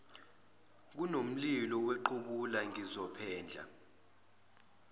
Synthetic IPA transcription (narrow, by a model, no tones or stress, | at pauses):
k̬unom̩lilɔweǃuɓulaŋizɔpʰɛːnd͡ɮʱa̰